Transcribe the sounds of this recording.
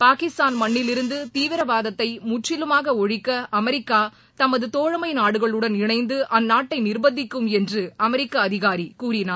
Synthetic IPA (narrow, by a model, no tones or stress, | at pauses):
paːkɪst̪aːnmɐɳːɪlɪɾɯnd̪ɯt̪iːʋɪɾɐbaːðɐt̪ːɐɪmʊʈrɪlɯmaːɣɐɔɻɪkːɐʔɐmɛɾɪkːaː | t̪ɐmɐðɯt̪oːɻɐmɐɪnaːɽɯɣɐɭɯɽɐnɪɳɐɪnd̪ɯʔɐnːaːʈːɐɪnɪrbɐd̪ɪkːɯmɛndrɯɐmɛɾɪkːɐːðɪɣaːɾikuːɾɪnaː